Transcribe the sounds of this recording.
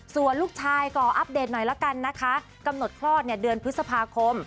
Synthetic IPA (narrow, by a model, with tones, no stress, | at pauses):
su˨˩ənluː˥˩k̚t͡ɕʰaː˧jkɔː˨˩ʔa˦˥p̚deː˨˩t̪̚nɔ˨˩jla˦˥ka˧nːa˦˥kʰa˦˥ʔ | ka˧mno˨˩t̪̚kʰlɔː˥˩t̪̚ni˧˩ədɯ˧ənpʰɯ˦˥t̪sa˧pʰaː˧kʰo˧m